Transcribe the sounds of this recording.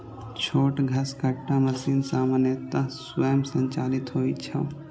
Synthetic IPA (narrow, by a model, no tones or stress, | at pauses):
t͡ʃʰoːʈɡʱɐskɐʈːamɐsiːnsaːmənjət̪aswəjəmsə̃ɲt͡ʃaːlɪt̪ɦoːit͡ʃʰɐ